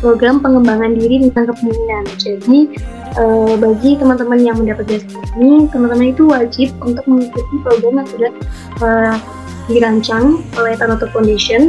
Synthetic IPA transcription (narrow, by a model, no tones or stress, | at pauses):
pɾoɡɾampəŋəmbaŋandiɾidəŋankəpəminand͡ʒadi | ʔəbaɡit̪əmant̪əmanjaŋməndapat̪̚biasakunit̪əmant̪əmanit̪uwad͡ʒɪp̚unt̪ʊk̚məŋikut̪ipɾoɡɾamjaŋsudah | ʔəː | diɾaɲt͡ʃaŋpəlat̪anat̪okɔndesən